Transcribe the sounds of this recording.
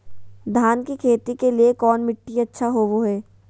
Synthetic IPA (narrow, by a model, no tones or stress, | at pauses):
d̪ʱaːnkikʰeːt̪ikeliekɔːnmɪʈːiɐtːʃʰaɦoːʋoɦɛː